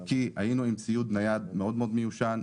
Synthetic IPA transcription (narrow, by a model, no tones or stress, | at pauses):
kiha̰jinuimt͡sijut̪̚najad̪meo̞d̪meod̪mejuʃan